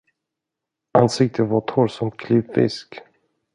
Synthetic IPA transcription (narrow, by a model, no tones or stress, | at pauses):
ʔansɪk̚t̪ʰəvaʈʰɔɾsɔmt̪̚kʰlivfɪ̰sk